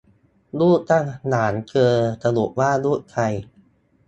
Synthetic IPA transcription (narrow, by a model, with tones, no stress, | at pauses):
luː˥˩t̪a˥˩ŋnaː˩˦nkʰɤː˧t̪a˧lu˨˩ʔ̚waː˥˩luː˥˩t̪̚kʰa˧j